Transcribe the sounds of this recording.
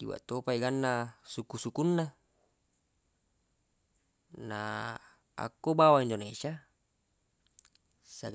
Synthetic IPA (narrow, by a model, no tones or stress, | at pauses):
dḭwa̰ʔt̪opaiɡanːasukusukunːa | na | a̰kːobawaindonesa | saɡ